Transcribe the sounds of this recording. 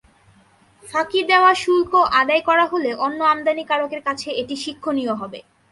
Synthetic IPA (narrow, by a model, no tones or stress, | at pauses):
fʰakid̪eoaʃulkoʔad̪ajkɔɾaɦoleʔonːoamd̪anikaɾokeɾkat͡ɕʰeeʈiʃikʰːonijoɦɔbḛ